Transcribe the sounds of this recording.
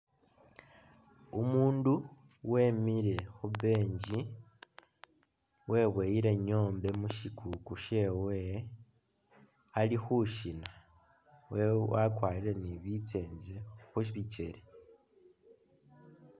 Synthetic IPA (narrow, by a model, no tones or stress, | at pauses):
umuːndu | we̞ːmiɾe̞xuβe̞ːɲɟi | we̞βweːjiɾe̞ɲo̞ːmbe̞muʃikʰukuʃe̞ːwe | alixuʃina | wewakwaːliɾe̞niβit͡se̞ːnzexuʃβit͡ʃe̞̰ɾe